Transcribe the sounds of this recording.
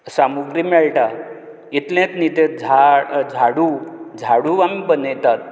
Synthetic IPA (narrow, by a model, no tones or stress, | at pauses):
samuɡɾimɛɭʈa | it̪lẽt̪nit̪ed͡zʱad͡zʱaɽud͡zʱaɽuamibənəjt̪at̪̚